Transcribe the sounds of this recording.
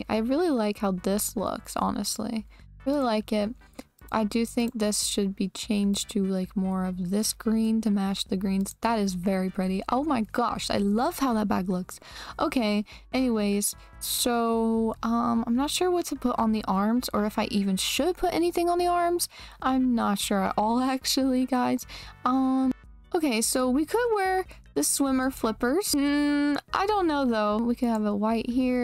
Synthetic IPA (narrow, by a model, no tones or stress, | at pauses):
ʔa̰ɪɹɪlˠilaɪkhaʊðɪslʊ̰ksɑ̰nɨ̰stˡlḭɹɪlˠilaɪkɪt̚ | ʔa̰ɪdɨθɪ̃ŋk̚ðɪsʃɨd̚bit͡ʃʰẽɪ̃nd͡ʒtʰɨlaɪkmɔɹʌvðɪsɡ̥ɹĩntʰɨmæʃðɨɡɹĩnzðəɾɨzvɛɹipʰɹ̥ɪɾiʔoʊmaɪɡɑ̰ʃa̰ɪlʌv̥haʊðət̚b̥æɡlʊksʔoʊkʰeɪ | ʔɛniweɪz̥ | soʊʌ̃mãɪ̃mnətʃʊɹwʌtʰɨpʰʊɾn̩ðiʔɑɹmz̥ə˞ɨfaɪʔivɨ̃nʃɨd̚pʰʊɾʔɛ̰niθɪ̃ŋə̃nðiɑɹmz̥ʔãɪ̃mnətʃʊɹa̰ʔɔlˠæk̚t͡ʃul̩ˠiɡaɪz̥ʌ̃m | oʊkʰeɪsoʊwikʰɨd̚wɛɹ | ðɨswɪ̃mə˞flɪpə˞z̥̩ʔa̰ɪdõʊ̃nːoʊðoʊwikʰɨd̚əvəwaɪt̚hiɹ